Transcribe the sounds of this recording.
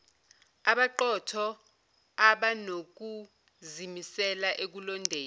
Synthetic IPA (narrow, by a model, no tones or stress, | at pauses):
aɓaǃɔtʰɔ | aɓanok̬u | zimisɛlaʔek̬ulɔndʱeːl